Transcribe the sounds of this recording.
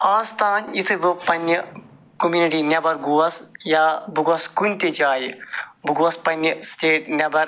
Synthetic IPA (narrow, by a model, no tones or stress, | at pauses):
aːst̪ʰaːnit̪ʰɨʋɨpɐnʲjɐ | komjuːniʈiːnʲɐbɐɾɡuːɐsjaːbuɡɐskunʲt̪ed͡ʒaːjibuɡoɐspɐnːɐsʈeːʈ̚nʲɐbɐɾ